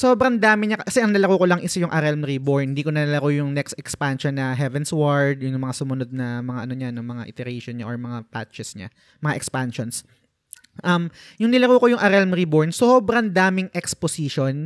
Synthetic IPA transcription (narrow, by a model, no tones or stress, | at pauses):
soːbɾɐŋd̪aːmɪɲakɐkɐsɛʔɐŋnɐlɐkokolɐŋʔɪsɐjʊŋʔɐɾɛlmɾiboɹnhɪnd̪iːkonɐnɐlɐkojʊŋnɛkst̪ɛkspanʃonːɐɦɛvɛnswaɹd̪̚jʊŋjŋmɐŋasʊmʊno̞d̪̚nɐmɐŋaʔɐnoɲanomɐŋa̰ʔɪ̰t̪ɛɾɛjʃonɲaʔoɹmɐŋapa̰t͡ʃɛsɲa̰ | mɐŋaʔɛkspanʃons | ʔɐm | jʊŋnɪlɐkoːkojʊŋʔɐɾɛlmɾiboɹnsobɾɐŋd̪aːmɪŋʔɛksposiʃon